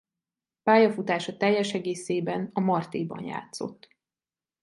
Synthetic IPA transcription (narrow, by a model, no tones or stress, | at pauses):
paːjɒfut̪aːʃɒt̪ɛjːɛʃɛɡeːseːbɛnɒmɒrt̪eːbɒ̰nja̰ːt̪so̞̰t̪ː